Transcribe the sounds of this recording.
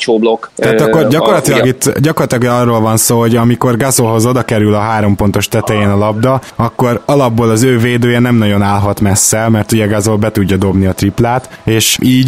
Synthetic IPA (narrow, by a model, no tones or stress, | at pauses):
t͡ʃoːblokt̪ɛːɒkːorɟɒko̞rlɒt̪ilɒɡit̪ːɟɒkorlɒt̪ilɒɡɒrːoːlvɒnsoːɦo̞ɟɒmiko̞rɡɒzolɦo̞zo̞d̪ɒkɛɾylɒɦaːɾo̞mpo̞nt̪o̞ʃt̪ɛt̪ɛjeːnɒlɒb̚d̪ɒɒkːo̞ɾɒlɒbːoːlɒzøːveːd̪øːjɛnɛmnɒɟo̞naːlɦɒt̪mɛsːɛlmɛrt̪uɟɛɡazolbɛt̪uɟːɒd̪o̞bniɒt̪riplaːt̪eːʃiːɟ